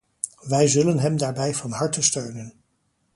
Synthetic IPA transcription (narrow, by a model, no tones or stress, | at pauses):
ʋɛjzɵlənɦɛmdaːɹbɛjvɑnɦɑɹtəstøɥnən